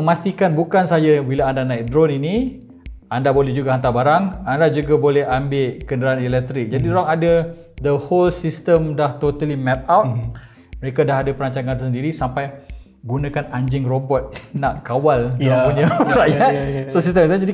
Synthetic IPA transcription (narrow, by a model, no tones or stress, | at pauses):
məmast̪ikanbukansajabilaandanãik̚dɾonini | andabolɛhd͡ʒuɡaɦant̪̬abaɾaŋandad͡ʒuɡabolɛhambɪʔkəndəɾaanilɛk̚t̪ɾɪk̚d͡ʒadidɾaŋada | d̪əholsist̪əmdaht̪ot̪alimɛp̚awt̪̚ | məɾekadaɦadapəɾaɲt͡ʃaŋansəndiɾisampaj | ɡunakanaɲd͡ʒɪŋrobɔt̪̚naʔkawalapunaɾajjat̪̚sos̬ist̪əmt̪̬ad͡ʒadi